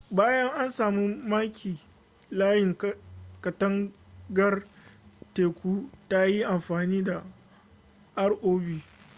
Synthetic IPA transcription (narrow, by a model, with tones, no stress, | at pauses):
baː˦jɐ˦ŋʔa˦nsaː˨mu˦maː˦kʲʰiː˨ | laː˦jɪ˨ŋkɐ˨tɐ˦ŋ | ɡɐ˦r | teː˨kʷuː˦ta˦ji˦ʔa˨mɸaː˨niː˦da˨ | ʔa˦rʔoː˦biː˨